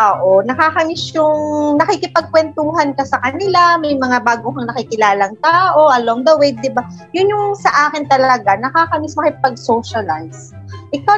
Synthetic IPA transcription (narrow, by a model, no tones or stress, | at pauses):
ʔoːʔonɐkaːkɐmisjʊŋnɐkikɪpɐɡ̚kwɛnt̪uːɦɐnkɐsɐkɐnɪlamɐjmɐŋabaːɡohɐŋnɐkɪkɪlaːlɐŋt̪aːʔo̞ʔɐloŋd̪ɐwejd̚d̪ɪba | jʊnjʊŋsɐʔaːkɪnt̪ɐlɐɡanɐkaːkɐmismɐkɪp̚ɐɡ̚soʃɐlajs | ʔɪka